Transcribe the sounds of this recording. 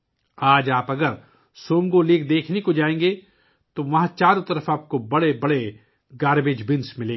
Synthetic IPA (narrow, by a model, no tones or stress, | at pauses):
aːd͡ʒaːpɐɡəɾ | soːŋɡoliːkd̪eːkʰnekod͡ʒaːẽːŋɡe | t̪oʋɐɦãt͡ʃaːɾõt̪ɐɾəfaːp̚kobɐɽebɐɽe | ɡaːɾbeːd͡ʒbɪ̃nsmɪlẽː